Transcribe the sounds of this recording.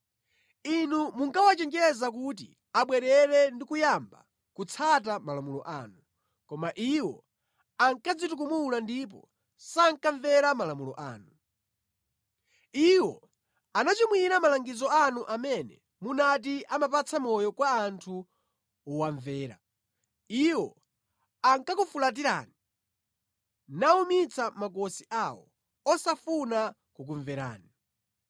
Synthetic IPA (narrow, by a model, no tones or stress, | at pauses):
inumuŋkawat͡ʃɛŋd͡ʒɛɛzak̬ut̬ḭ | aɓwɛɾɛɾɛndikujamba̰ | kut͡sʰat̬amalamulɔ̰ʔa̰ːnu | kɔmaʔiwɔ̰ | aŋkad͡zituk̬umulandip̬ɔ̰ | saŋkaɱvɛɾamalamulɔ̰ʔa̰ːnu | iwɔ | anat͡ʃimwiɾamalaŋɡizɔanuʔamɛnɛ̰ | munat̬iʔamapat͡sʰamɔjɔkwaːntʰu | waɱvɛːɾa̰ | iwɔ | aŋkakufulat̬iɾa̰ːni | naumit͡sʰamakɔsiʔawɔ̰ | ɔsafuna | kuk̬uɱvɛɾa̰ːni